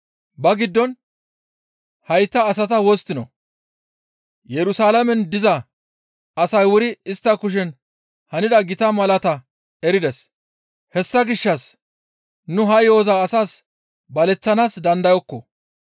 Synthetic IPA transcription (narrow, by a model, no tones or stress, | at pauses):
bɐɡɪd̪ːɔn | hɐjt̪ːɐːsɐt̪ɐwɔst̪ːɪnɔ̰ | jɛɾʊsaːlɐmɛnd̪ɪzɐ | ɐsɐjwʊɾɪɪst̪ːɐkʊʃ̬ɛn | hɐnɪd̪ɐɡɪt̪ɐmɐlɐt̪ɐ | ɛɾɪd̪ɛs | hɛsːɐɡɪʃːɐs | nʊɦɐjo̞ːzaːsaːs | bɐlɛt͡sːɐnaːsd̪ɐnd̪ɐjɔkːɔ̰